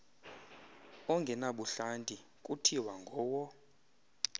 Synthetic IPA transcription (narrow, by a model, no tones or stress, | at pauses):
ɔŋɡʱɛnaɓuɬantʼi | kʼutʰiwaŋɡʱɔːwɔ